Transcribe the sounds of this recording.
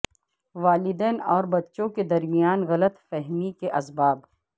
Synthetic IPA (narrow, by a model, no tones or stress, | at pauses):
ʋaːlɪd̪ɛːnɔːɾbɐtːʃõked̪ɐɾmijaːnɣɐlət̪fɛɦmikeʔɐsbaːb